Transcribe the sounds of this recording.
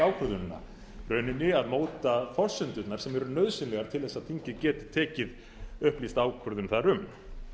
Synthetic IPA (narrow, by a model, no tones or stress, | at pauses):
aːwkʰʏɾðʏnnːa̰ | rœɥnɪnːɪaðmoːwt̪afɔr̥sʏnt̪ʏt̪naɾ̥sɛmɛɾʏnœðsɪnlɛɣaɾ̥t̪ʰɪlθɛsːaðtθʰiɲcɪcɛːt̪ɪ̥t̪ʰːɛːcɪð | ʏhplist̪aːwkʰœɾðʏnθaɾʏm